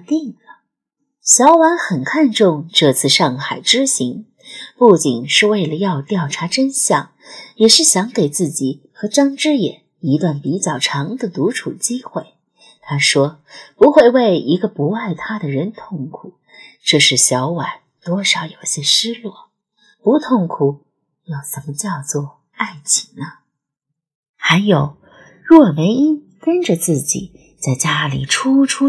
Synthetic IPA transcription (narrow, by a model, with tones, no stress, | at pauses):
t̪i˥˩ŋlə˩ | ɕjɑ˧˥ʊwa˧˥nxə˨˩nkʰa˥˧nʈ͡ʂʊ˥˧ŋʈ͡ʂɤ˥˧t͡sʰɹ̩˥˧ʂɑ˥˧ŋxa˨˩ɪʈ͡ʂɻ̩˥ɕi˧˥ŋ | pu˥˩t͡ɕi˨˩nʂɻ̩˥˧we˥˩ɪlə˩jɑ˥˧ʊt̪jɑ˥˩ʊʈ͡ʂʰa˧˥ʈ͡ʂə˥nɕjɑ˨˩˦ŋjɛ˨˩ʂɻ̩˥˩ɕjɑ˧˥ŋke˨˩ɪt͡sɹ̩˥˩t͡ɕi˨˩ | xɤ˧˥ʈ͡ʂɑ˥ŋʈ͡ʂɻ̩˥jɛ̰˨˩˦n | i˧˥t̪wa˥˩npi˧˥t͡ɕjɑ˥˩ʊʈ͡ʂʰɑ˧˥ŋd̪ə˨t̪u˧˥ʈ͡ʂʰu˨˩t͡ɕi˥xwe˥˩ɪ | t̪ʰa˥ʂwɔ˥pu˧˥xwe˥˧ɪwe˥˩ɪi˧˥ɡə˧pu˧˥a˥˩ɪt̪ʰa˥d̪ə˨ɻə˧˥nt̪ʰʊ˥˩ŋkʰu˨˩˦ | ʈ͡ʂɤ˥˧ʂɻ̩˥˩ɕjɑ˧˥ʊwa˨˩˦n | t̪wɔ˥ʂɑ˨˧˥ʊjo˨˩ʊɕjɛ˥ʂɻ̩˥lwɔ˥˩ | pu˧˥t̪ʰʊ˥˩ŋkʰu˨˩ | jo˥˩ʊʂə˧˥nmə˧t͡ɕjɑ˥˧ʊt͡swɔ˥˧˩ | a˥˩ɪt͡ɕʰi˨˩ŋnə˧ | xa˧˥ɪjo˨˩˦ʊ | ɻwɔ˥˩me˧˥ɪi˥n | kə˥nʈ͡ʂə˨t͡sɹ̩˥˩t͡ɕḭ˨˩˦ | t͡sa˥˩ɪt͡ɕja˥lḭ˨˩ʈ͡ʂʰu˥ʈ͡ʂʰu˥